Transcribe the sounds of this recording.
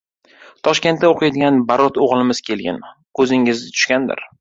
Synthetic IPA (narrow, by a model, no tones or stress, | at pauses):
t̪ʰɒʃkʲe̞nt̪̚ːaoqʰɨjd̪ɪɡʲanbaɾɒt̪ʰoʁlˠɪmɪz̥kʲʰe̞lɡʲɪ̰nkʰɵzɪŋɪzɪt̪ʰʊ̥ʃkʲand̪ɪ̰ɾ